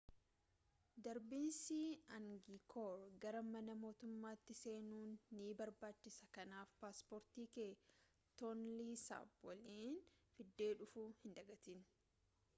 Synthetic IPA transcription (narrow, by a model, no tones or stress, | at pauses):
d̪ɐɾbiːnsiːɐŋɡikʰoːɾɡɐɾɐmɐnɐmo̞ːt̪ʊmːaːt̪ːɪse̞ːnuːnːiːbɐɾbaːt͡ʃːɪsɐkɐnaːfpaːspoːɾt̪iːkeː | t̪ɔnliːsa̰ːbwɐliːnfɪd̪ːe̞ːᶑʊfuːhɪnd̪ɐɡɐt̪in